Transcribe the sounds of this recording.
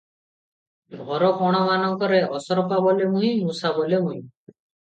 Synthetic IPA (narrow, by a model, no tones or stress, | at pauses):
ʁɔɾɔkɔɽ̃ɔmanɔŋkɔɾeʔɔsɔɾɔpabɔlemuɦĩmusabɔlemuɦĩ